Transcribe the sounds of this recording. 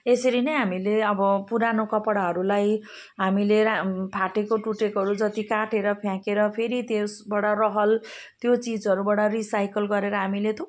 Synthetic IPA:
esʌɾinʌjɦamileʌbʌpuɾanokʌpɽaɦʌɾulaj | ɦamilepʰaʈekoʈuʈekɦʌɾud͡zʌt̪ikaʈeɾʌpʰjãkeɾʌpʰeɾit̪esbaɽʌrʌɦʌlt̪jot͡sid͡zʌɾubaɽʌrisajkʌlɡʌɾeɾʌɦamilet̪ʰo

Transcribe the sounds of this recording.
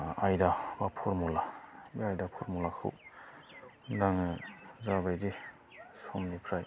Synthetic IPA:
ajdabapʰɔɾmɔlabiajdapʰɔɾmɔlakʰɯ̰w | daŋɯzabajdi | sɔmnipʰɾaj

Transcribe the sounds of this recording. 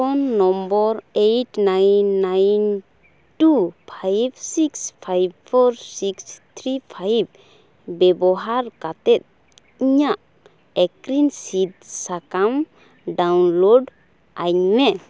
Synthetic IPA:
ɔnːɔmbɔɾejʈnajnːajn | tupʰajbsikspʰajbpʰɔɾsikst̪ʰɾipʰajb̚ | bɛbɔɦaɾkat̪ɛt̪̚ | iɲaʔ | ɛkɾinsit̪̚sakam | ɖawnloɖ | aɲmɛ

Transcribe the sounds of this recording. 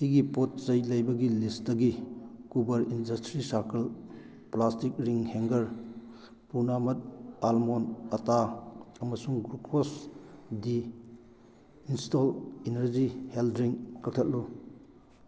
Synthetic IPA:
siɡipot̚zɐjlɐjbɐɡilistdɐɡikubɐɾindɐstɾisaɾkɐl | plastik̚ɾiŋheŋɡɐɾ | punamɐt̚almonɐtaɐmɐsuŋɡɾukʰosdi | instolenɐɾd͡ʒiheldɾiŋkɐk̚tʰɐt̚lu

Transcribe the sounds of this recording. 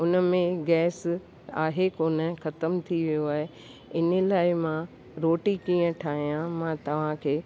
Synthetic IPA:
ʊnə̆mẽɡɛːs | aːɦekoːnəxɐt̪əmt̪ʰiʋijoaːɦe | ɪnəlaːɪmã | ɾoːʈikĩːə̃ʈʰaːɦijãmãːt̪ɐʋ̤ãkʰeː

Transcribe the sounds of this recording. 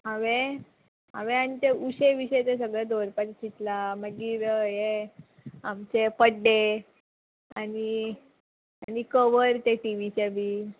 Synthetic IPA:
ɦaʋe | ɦã̰ʋeanit̪euɕeʋiɕəjt̪es̬əɡɭad̪ʱoɾpatt͡ɕit̪laməɡiːɾəje | amt͡ɕepəɖːe | ani | anikəʋəɾt̪eʈiʋit͡ɕabʱiː

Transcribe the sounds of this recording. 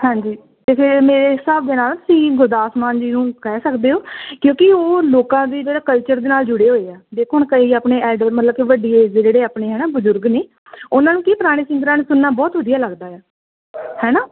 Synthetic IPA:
hãːɲd͡ʒiː | t̪eːpʰɪɾmeːɾeːɦɪsaːbd̪eːnaːlsĩːɡʊd̪aːsmaːnd͡ʒiːnũːkɛːsəkd̪eːoːkjõːkɪoːloːkãːd̪iːd͡ʒeːɽaːkəlt͡ʃəɾd̪eːnaːld͡ʒʊɽeːɦoːeːɛːd̪eːkʰoːɦnkəɦiːaːpɳeːɛːɖəɾmət̪ləb̚kiʋəɖiːeːzd͡ʒeːɽeːaːpɳeːɦɛːnaːbʊzʊɾɡneː | ʊnãːnũːkiːpəɾaːɽ̃iːsɪ̃nd̪əɾãːneːsʊnːaːbɔːt̪ʋəd̪ijaːləɡd̪aːɛː | hɛːnaː

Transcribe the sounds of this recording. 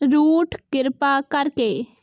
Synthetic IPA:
ɾuːʈʰkɪɾpakɐɾkeː

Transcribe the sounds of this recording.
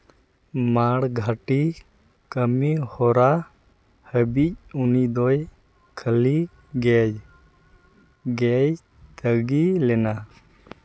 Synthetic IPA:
maɽɡʱaʈi | kəmihɔɾa | həbic̚unid̪ɔj | kʰəli | ɡɛd͡ʒ | ɡɛj | t̪əɡilɛna

